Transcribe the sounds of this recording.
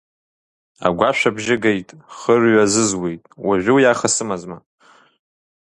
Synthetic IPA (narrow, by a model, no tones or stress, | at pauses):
a̰ɡʷaʃʷᶣabʒɪɡejtʼχərɥazɨzwejtʼwaʒᶣʷɪwjaχasɨmazma